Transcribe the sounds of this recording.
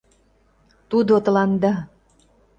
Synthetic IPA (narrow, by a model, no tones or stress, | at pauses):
t̪ud̪ot̪ə̆lɑnd̪ɑ